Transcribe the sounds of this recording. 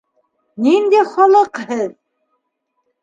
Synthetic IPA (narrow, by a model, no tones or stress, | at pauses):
nind̪æjχɑlˠɤqhɘð